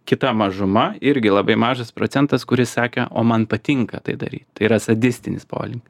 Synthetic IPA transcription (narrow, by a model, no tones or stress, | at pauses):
kʲɪt̪ɐmɐʒʊmɐɪɾʲɡʲɪlˠɐbɐɪmɑːʒɐspɾoːt͡ssʲɛnt̪ɐskʊɾʲɪssɑːkʲɛʔo̰ːmɐnpɐt̪ʲɪŋkɐt̪ɐɪd̪ɐ̰ɾʲiːt̪ʲt̪ɐɪiːɾɐsɐd̪ʲɪsʲt̪ʲɪnʲɪspo̰ːlʲɪŋk